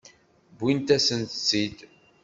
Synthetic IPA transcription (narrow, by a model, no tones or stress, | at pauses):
bint̪æsənt̪ə̥t͡sːid̪